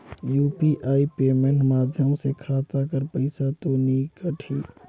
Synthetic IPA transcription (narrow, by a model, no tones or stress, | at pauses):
juːpiʔaːipeːmẽɳʈmaːd̪ʱjəmsekʰaːt̪akəɾpəɪsat̪onikəʈʰiː